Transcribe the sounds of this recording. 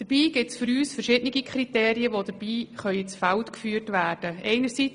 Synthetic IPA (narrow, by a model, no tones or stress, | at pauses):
d̥əb̥iːɡ̥ɪtsfʏɾyːsfəʃɪdnɪɡikʰχɾiteːɾiəʋod̥əb̥iːχœʏət͡sfaltkfyːɾtʋæːrd̥əɛɪnəɾsi